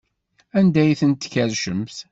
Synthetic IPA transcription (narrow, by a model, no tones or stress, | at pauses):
ænd̪æjθənt̪ːçæɾʃəmθ